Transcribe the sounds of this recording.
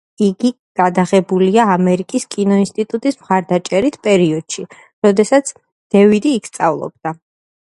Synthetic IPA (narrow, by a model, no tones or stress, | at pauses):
iɡi | ɡ̥ad̪aʁɛbuliaːmɛɾikʼiskʼinɔinst̪ʼit̪ʼut̪ʼismχaɾd̪at͡ʃʼɛɾit̪ʰpʼɛɾiɔd̪̥ʃi | ɾɔd̪ɛsat̪sʰ | d̪̥ɛvid̪iːkʰst̪sʼa̰vlˠɔ̰b̚d̪̥a